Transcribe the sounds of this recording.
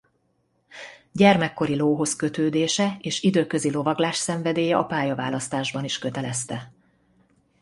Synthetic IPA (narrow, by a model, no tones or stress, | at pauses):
ɟɛrmɛkːo̞ɾiloːɦo̞skø̞t̪øːd̪eːʃɛeːʃid̪øːkø̞zilo̞vɒɡlaːʃsɛɱvɛd̪eːjɛʔɒpaːjɒvaːlɒst̪aːʒbɒniʃkøt̪ɛlɛst̪ɛ